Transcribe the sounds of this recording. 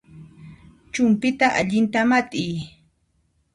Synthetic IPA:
t͡ʃʊmpɪt̪aʔa̰ʎɪnt̪amat̪ʼɪj

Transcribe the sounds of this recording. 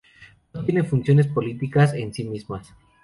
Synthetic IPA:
not̪je̞ne̞funsjo̞ne̞s̬po̞lit̪ikase̞nsimizmas

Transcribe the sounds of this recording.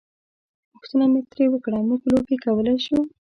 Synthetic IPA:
pʊxt̪ənamet̪ɾewəkɽamuklobekawəlajʃu

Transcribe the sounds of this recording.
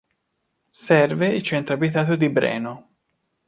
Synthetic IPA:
sɛrveilt͡ʃɛnt̪ɾoabit̪aːt̪od̪ibɾɛ̰ːno

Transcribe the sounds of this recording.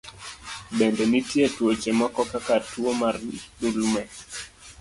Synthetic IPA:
bɛndɛnitjetwot͡ʃemɔkɔkakatwomardulmɛ

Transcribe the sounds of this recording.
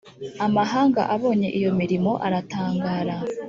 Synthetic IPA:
amaɦaːŋɡa̰ʔaβo̞ːɲe̞̰ʔijo̞miɾimo̞ʔaɾataːŋɡaːɾa

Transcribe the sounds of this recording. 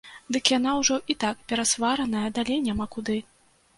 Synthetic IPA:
d̪ɨkjan̪awʐɔʔit̪akpʲɛɾasvaɾɐnɐjɐd̪alʲejnʲamakud̪ɨ

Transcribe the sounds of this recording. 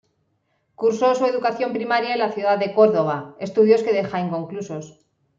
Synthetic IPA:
kuɾso̞sue̞ðukaθjo̞mpɾimaɾjaelaθjuðaðːe̞ko̞ɾðo̞β̞ae̞st̪uðjo̞ske̞ðe̞xaiŋko̞ŋkluso̞s

